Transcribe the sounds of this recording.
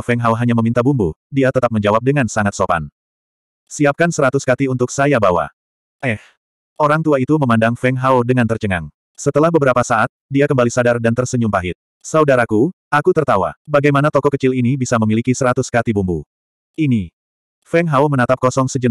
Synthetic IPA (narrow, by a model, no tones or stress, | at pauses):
fɛŋɦawɦaɲaməmint̪abumbudiat̪ət̪ap̚məɲd͡ʒawap̚dəŋansaŋat̪̚sopa̰n | siap̚kansəɾat̪uskat̪iunt̪ʊksajabawa̰ | ʔɛh | oɾaŋt̪uait̪uməmandaŋfɛŋɦawdəŋant̪ərt͡ʃəŋaŋ | sət̪əlahbəbəɾapasaat̪̚diakəmbalisadardant̪ərsəɲumpaɦɪt̪̚ | saudaɾaku | akut̪ərt̪awa̰baɡajmanat̪ɔkɔkːət͡ʃɪlinibisaməmilikisəɾat̪ʊskat̪ibumbṵ | ini | fɛŋɦawmənat̪ap̚kɔsɔŋsəd͡ʒən